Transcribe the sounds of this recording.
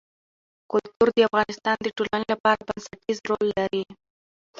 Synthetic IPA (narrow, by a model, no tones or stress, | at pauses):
kʊlt̪uɾd̪əafɣɑnɪst̪ɑnd̪əʈolanelapɑɾabansaʈizɾolːaɾi